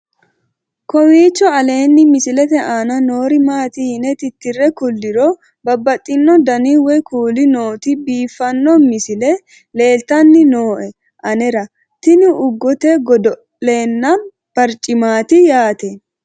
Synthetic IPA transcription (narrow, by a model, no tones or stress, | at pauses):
kɔwiːt͡ʃːɔɐle̞ːnːɪmɪsɪlɛt̪ɛʔaːnɐno̞ːɾɪmaːt̪ɪhnɛt̪ɪt̪ːɪrːɛkʊlːɪɾɔ | bɐbːɐt̪ʼːɪnːɔd̪ɐniwɛkʰuːlɪnoːt̪ɪbiːfːɐnːɔmɪsɪlɛ | le̞ːlt̪ɐnːɪno̞ːʔɛ | ʔɐnɛɾɐ | t̪ɪnɪʔʊɡːɔt̪ɛɡɔd̪ɔ | le̞ːnːɐ | pɐɾt͡ʃʼːɪmaːt̪ɪjaːt̪ɛ